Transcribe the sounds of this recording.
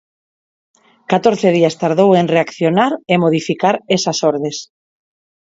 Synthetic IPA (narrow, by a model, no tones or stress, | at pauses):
kat̪oɾθeð̞iast̪aɾð̞owenreakθjonaɾemoð̞ifikaɾesasoɾðes